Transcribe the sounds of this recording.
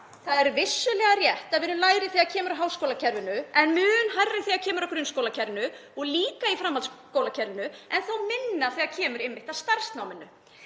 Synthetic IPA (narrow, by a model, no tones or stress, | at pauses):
θaðɛɾvɪsːʏlɛɣarjɛht̪aðvɪnːʏlaːjɾɪθiːacʰɛːmʏɾaɦaːwskowlacʰɛɾvɪnʏɛnmʏːʏnhajrrːɪθiacʰɛːmʏɾɔhkɾʏnskowlacʰɛɾvɪnʏɔɣliːkaifɾamːalskoːwlacʰɛɾvɪnʏʔɛnθawmɪnːaθiɣacʰɛːmʏɾɪmːɪht̪ast̪aɾ̥st̪nawmɪnːʏ